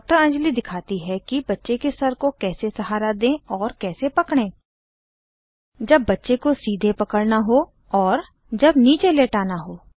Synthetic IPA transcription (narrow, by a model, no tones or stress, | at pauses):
ɔk̚ʈəɾɐ̃nd͡ʒlid̪ɪkʰaːt̪iɦɛkibɐtːʃekesɐɾkokɛːsesɐɦaːɾad̪ẽːɔːɾkɛːsepɐkɽ̃ẽː | d͡ʒɐbːɐtːʃekosiːd̪ʱepɐkəɽnaɦo | ɔːɾ | d͡ʒɐbniːt͡ʃeleːʈaːnaɦoː